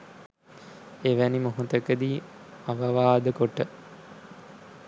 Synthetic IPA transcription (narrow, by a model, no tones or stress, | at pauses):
eʋænimoɦut̪əkəd̪iː | aʋɐʋaːd̪əkoʈə